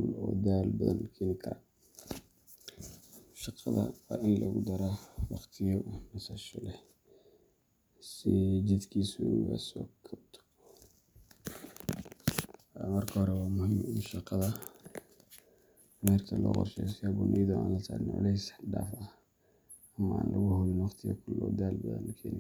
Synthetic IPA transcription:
lɔːd̪aːlbɐðɐ̰nkʰɪnɪt̪ʰɐ̰ | ʃɑqɑðɐ̰wɑːʔɪnlɐɣʊd̪ɐɾawɑχt̪ʰɪjɔnɐsɐʃɔlɛ | sɪd͡ʒɛd̪kʰiːsʊɣa̰sɔ̰ːkʰɐbt̪ʰɔ̥ | mɐrkʰɐhɔɾɛwɑːmʊhɪmɪnʃɑqɑðɐ | mɛrkʰɐlɔ̰ːqɔ̰rʃɛjskabʊnʔɛjðʊʔa̰ːnlɐt̪ʰa̰ːlɪnʕʊ̰lɛjsɖaːfɐ | ɐmɐa̰ːnlʔɐɣʊhʊlɪnwɑqt̪ʰɪɣɐ̰kʰʊlɔ̰ːd̪aːlbɐ̰ðɐ̰nkʰɛːnɪ

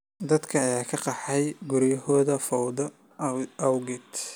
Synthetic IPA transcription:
d̪ɐd̪kʰɐːjaːkʰɐqɑħɛjɡuɾjɐhɔːðɐfɔwðɔ | ʔɐwɡɪt̪

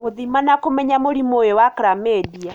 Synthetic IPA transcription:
moðimanakomɛɲamoɾimojewakɾamɛdia

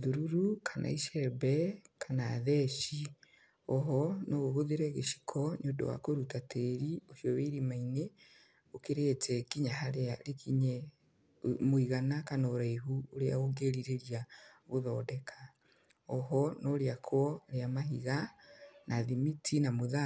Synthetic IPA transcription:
ðuɾuɾukʰanʔa̰iʃɛbɛkʰanaːðɛʃi | ɔɦɔnɔɣoɣoðeɾɛɣeʃi̥kʰɔɲodo̰wa̰koɾutatʰɛːɾioʃiɔweiɾimaine | okeɾeːtʰɛkiɲaɦaɾeaɾekʰiɲɛ | moiɣanakanaoɾaiɦuoɾea̰oɡeɾiɾeɾiaɣoðɔdɛkʰa | ɔɦɔnɔɾeakʰwɔɾeamaɦiɣanʔaðimitʰinamoða

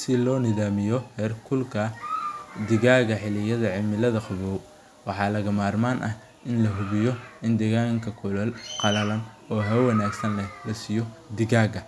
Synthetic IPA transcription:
sɪlɔːnɪðaːmɪjɔhɛːrkʰʊlkʰɐ | d̪ɪɣaːɣɐħɪlɪjɐðɐʕɪmɪlɐðɐqʊβɔːw | wɑħɑːlɐɣɐmaːrmaːnʔɐh | ʔɪnlɐɦʊβɪjɔɪnd̪ɛɣaːŋkʰɐkʰʊlɐlqɑlɐlɐn | ɔːɦɐwɐnaːɡsɐnlɛlɐsɪjɔd̪ɪɣaːɣɐ

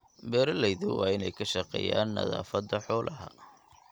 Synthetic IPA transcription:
bɛːɾɐlɛjðʊwʔɑːɪnɛjkʰɐʃɑqɛ̰ːjaːnːɐ̰ða̰ːfɐd̪ɐħɔːlʔɐɦɐ̰

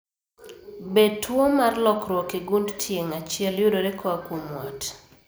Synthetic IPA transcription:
betwomarlɔkɾwokɪɡundtʰjeŋat͡ʃɪɛljʊdoɾekʰɔakwomwɔt

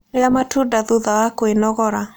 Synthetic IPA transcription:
jamatʰudaðuðawakɔenɔɣɔɾa

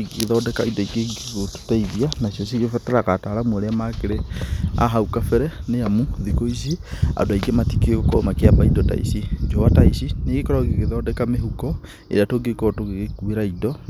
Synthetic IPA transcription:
ɡeeðɔdɛkaidɔikeɡeɡotu̥taiðianasjɔsikefɛtɾakataɾamuoɾeamakeɾea̰ɦaukafɛɾɛneamuðikois̬ea̰doaiɡematikeokɔmakeapaidɔta̰ḭsid͡ʒowataisineɡekɔɾɔɡekeðɔːdɛkameɦukɔ | ḛɾatoɡekɔtoɡeɣekueɾaidɔ

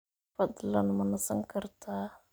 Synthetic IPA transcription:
fadəlanmanasaŋkəɾta

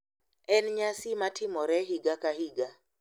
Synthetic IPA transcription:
ɛnɲasimatʰɪmɔɾɛɦiɡakahiɡa

